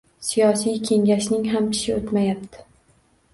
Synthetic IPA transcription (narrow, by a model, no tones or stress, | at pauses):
sijɒsijkʲʰe̞ŋʲaʃnɪŋɦamkʲʰɪ̥ʃɪot̪majapt̪ʰɪ̥